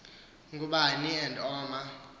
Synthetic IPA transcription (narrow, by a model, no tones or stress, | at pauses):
ŋɡʱuɓaniɛndʼɔːma